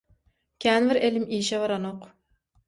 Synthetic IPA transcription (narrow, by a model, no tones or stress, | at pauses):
kʲʰɛnbɪɾelɪmiːʃɛvɑɾɑnoq